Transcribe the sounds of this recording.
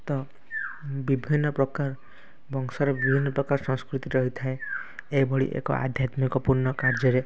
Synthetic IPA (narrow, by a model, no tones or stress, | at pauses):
t̪ɔ | bibʱinːɔpɾɔkaɾ | bɔŋsɔɾɔbibʱinːɔpɾɔkaɾsɔ̃ŋskɾut̪iɾɔɦit̪ʰaeejbʱɔɭḭʔḛkɔ̰ʔa̰d̪ʱjat̪mikɔpuɾnɔkaɾd͡ʒɔɾe